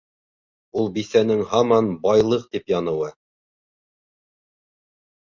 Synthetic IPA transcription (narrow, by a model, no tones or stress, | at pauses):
ulˠbiθænɘŋhɑmɑnbɑjlˠɤq̚t̪ipjɑnɤ̆wɤ